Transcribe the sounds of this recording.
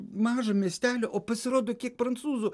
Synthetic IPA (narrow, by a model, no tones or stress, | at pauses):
mɑːʒɐmʲiɛsʲt̪ʲæːlʲoʔopɐsʲɪɾoːd̪okʲiɛkfɾɐnt̪suːzʊ